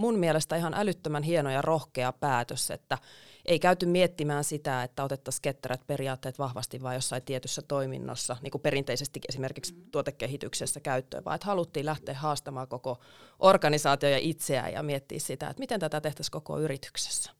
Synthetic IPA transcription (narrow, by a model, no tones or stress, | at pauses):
munmielest̪æihɑnʔælyt̪ːømænɦienojɑrohkeɑpæːt̪øsḛt̪ːæʔeikæyt̪ymmiet̪ːimæːnsit̪æet̪ːæot̪et̪ːɑsket̪ːæɾæt̪periɑːt̪ːeːt̪ʋɑhʋɑ̰st̪iʋʋɑːjosːɑit̪iet̪ysːæt̪oimḭnːo̰sːɑnḭːŋkuperint̪eisest̪ikesimerkikst̪uot̪ekːehit̪yksesːækæyt̪ːø̰ːʋɑ̰ːet̪hɑlut̪ːiːlæht̪eːhhɑːst̪ɑmɑːkokoʔorɡɑnisɑːt̪iojɑʔit̪seæ̰jɑ̰miet̪ːḭːssit̪æ̰ḛt̪mit̪ent̪æt̪æt̪eht̪æskoko̰yrit̪y̥kse̥sːæ̥